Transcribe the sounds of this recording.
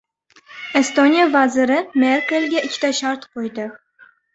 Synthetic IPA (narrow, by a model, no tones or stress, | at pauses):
est̪onʲijavazɪɾɪmeɾkʲelɡʲaɪkʲʰːɪ̥t̪aʃaɾt̪qojd̪ɪ